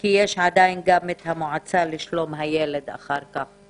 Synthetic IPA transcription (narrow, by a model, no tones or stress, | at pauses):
kijeʃʕad̪ajnɡamet̪hamoʕat͡saliʃlo̞mɦajele̞d̪a̰χaʁkaχ